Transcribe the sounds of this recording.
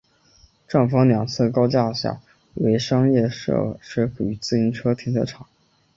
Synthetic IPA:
ʈ͡ʂɑ˥˩ŋfɑ˥ŋljɑ˨˩ŋt͡sʰɤ˥˩kɑ˥ʊt͡ɕja˥˧ɕja̰˥˩ | we˧˥ɪʂɑ˥ŋjɛ˥˩ʂɤ̰˥˩ʂɻə˥fu˨˩y˧˥t͡sɹ̩˥˩i˧˥nʈ͡ʂʰɤ˥t̪ʰi˧˥ŋə˧˥ʈ͡ʂʰɑ˨˩˦ŋ

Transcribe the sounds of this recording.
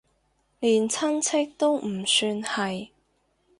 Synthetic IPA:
liː˨˩nt͡sʰɐ˥nt͡sʰɪ˥k̚t̪o˥wm̩˨˩syː˧nhɐ˨j

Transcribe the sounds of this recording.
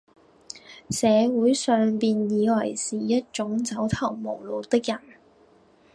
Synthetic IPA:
sɛː˨˧wuː˨˥jsœː˨ŋpiː˨njiː˨˧wɐ˨˩jsiː˨˩jɐ˥t̚t͡ʃʊ˨˥ŋt͡sɐ˨˥wt̪ʰɐ˨˩wmo˨˩wlo˨˧wt̪ɪ˥k̚jɐ˨˩n

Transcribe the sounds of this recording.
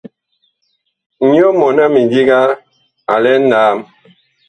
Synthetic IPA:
ɲ˦ɔ˦mɔ˨na˦mi˨di˦ɡa˦ | a̰˨lɛ˦n̩˦daː˨˦˨m

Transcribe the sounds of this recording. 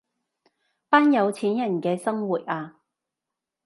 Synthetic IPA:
paː˥njɐ˨˧wt͡sʰiː˨˥njɐ˨˩nkɛː˧sɐ˥ŋwuː˨˩t̚ʔaː˧

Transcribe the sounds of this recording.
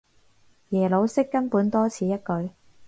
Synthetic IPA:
jɛː˨˩lo˨˧wsɪ˥kːɐ˥npuː˨˥nt̪ɔː˥t͡sʰiː˨˧jɐ˥t̚kɵ˨˧˥ɥ

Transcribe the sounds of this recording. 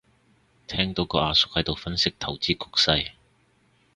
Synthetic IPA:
t̪ʰɛː˥ŋt̪o˨˥wkɔː˧ʔaː˨˧sʊ˨k̚hɐ˨˥jt̪o˨wfɐ˥nsɪ˥k̚t̪ʰɐ˨˩wt͡siː˥kʰʊ˥k̚sɐ˧j

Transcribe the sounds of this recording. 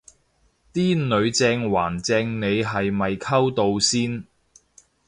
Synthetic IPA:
t̪iː˥nnɵ˨˧ɥt͡sɛː˧ŋwaː˨˩nt͡sɛː˧ŋne˨˧jɦɐ˨jmɐ˨jkʰɐ˥wt̪o˧wsiː˥n

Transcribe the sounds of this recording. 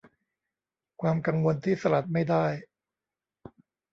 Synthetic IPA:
kʰwaː˧mka˧ŋwo˧nt̪ʰiː˥˩sa˧la˨˩t̪̚ma˥˩jdaː˥˩j

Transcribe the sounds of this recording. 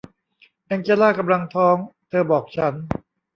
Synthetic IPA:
ʔɛː˧ŋt͡ɕe˧laː˥˩ka˧mla˧ŋt̪ʰɔː˦˥ŋt̪ʰɤː˧bɔː˨˩k̚t͡ɕʰa˦˥n

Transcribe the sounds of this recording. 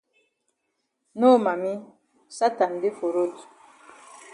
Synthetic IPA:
no˦˨ma˨mi˦ | sa˦ta˨n˨de˦fo˨ɾo˦t

